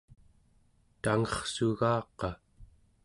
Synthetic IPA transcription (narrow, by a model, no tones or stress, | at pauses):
t̪aŋʌχsuɣɑːqɑ